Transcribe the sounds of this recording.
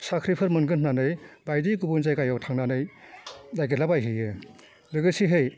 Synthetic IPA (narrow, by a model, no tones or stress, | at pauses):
sakʰɾipʰɯɾmɯnɡɯnnanɯjbajdikubɯnzajkajɔwtʰaŋnanɯj | dajɡɯlabajɦɯjɯ | ɾɯɡɯsiɦɯj